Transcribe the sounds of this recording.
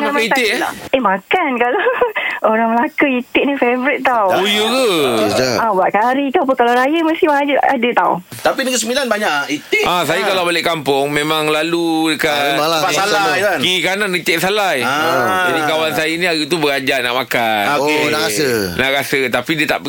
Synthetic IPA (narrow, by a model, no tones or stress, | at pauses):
kaaamit̪ɪʔemakankalaoɾaŋməlakəit̪ɪʔnifevɾɪt̪̚ːawujukə | abaʔ̚kaɾikap̬ukalaɾajəməst̪ihmaad͡ʒəa̰dət̪a̰w | t̪apinəkəsəmbilanbaɲaʔit̪ɪʔas̬ajakalawbalɪʔkampʊŋmẽmãŋlaludəkaaaasalaajankikananit̪ɛʔsalajd͡ʒadikawansajanĩaɡut̪ubəɡad͡ʒana̰ʔmakanoenaʔɣaəna̰ʔɾasət̪apidiət̪a̰ʔ